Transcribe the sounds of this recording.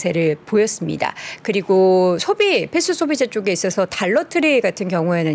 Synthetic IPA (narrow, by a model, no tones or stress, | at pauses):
sʰe̞ɾɯɭpojʌs͈ɯmɲḭda̰kɯɾiɡosʰobipes͈ʰusʰobid͡ʑet͡ɕ͈oɡe̞is͈ʌsʰʌtaɭːʌtʰɯɾiɡatʰɯnkjʌŋue̞nɯ